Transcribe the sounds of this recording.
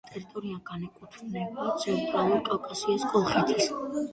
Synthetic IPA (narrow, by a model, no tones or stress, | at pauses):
t̪ʼɛɾit̪ʼɔɾiaɡ̥anɛkʼut̪ʰɾnɛbat̪sʰɛnt̪ʼɾalˠuɾkʼawkʼasiaskʼɔlˠχɛt̪ʰis